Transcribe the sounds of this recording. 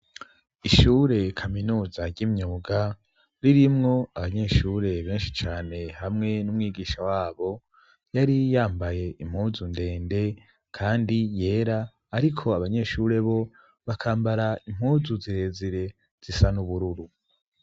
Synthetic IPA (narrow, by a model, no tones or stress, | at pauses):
iʃuːɾe̞kʰaminuːzaɾɟimɲuːɡa | ɾiɾimŋo̞aβaɲe̞ʃuːɾe̞βe̞ːnʃit͡ʃaːne̞hamŋe̞numŋiːɡiːʃawaːβo̞ | jaɾijaːmbaje̞ʔim̥huːzunde̞ːnde̞ | kʰaːndije̞ːɾaː | ɾikʰo̞aβaɲe̞ʃuɾe̞βo̞ | βakʰaːmbaɾaim̥huːzuziɾe̞ːziɾe̞ | z̥isanuβuɾuɾu